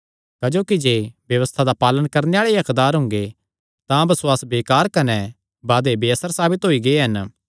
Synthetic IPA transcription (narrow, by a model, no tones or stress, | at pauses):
kɐd͡ʒoːkid͡ʒeːbjɐʋəst̪ʰad̪apaːlənkɐɾneaːɭeɐkd̪aːɾɦʊ̃ŋɡe | t̪ãbɐswaːsbeːkaːɾkɐnɛ | baːd̪ebeəsəɾsaːbɪt̪ɦoːiɡeeɦɐn